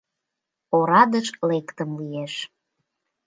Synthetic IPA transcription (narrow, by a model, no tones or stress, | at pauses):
oɾɑd̪əʃlekt̪əmlijeʃ